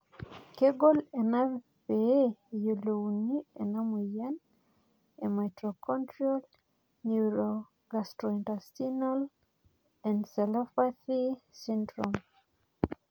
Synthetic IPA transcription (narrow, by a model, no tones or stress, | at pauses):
keɡolɛna | peejolounienamujan | emajtɾokʰɔntɾiɔl | nuɾo | ɡastɾɔintastinɔl | ɛnsɛlɔfaθisindɾɔm